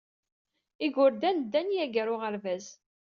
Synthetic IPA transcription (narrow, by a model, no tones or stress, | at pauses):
iɡʊɾd̪ænd̪ːænjæɡəɾʊʁəɾvæz